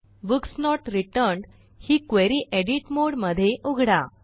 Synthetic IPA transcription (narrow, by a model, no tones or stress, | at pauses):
buksnɔʈɾiʈəɾɳɖ | hiːkʋeɾiʔeɽiʈmoɽməd̪ʱːjeʔuɡʱɽa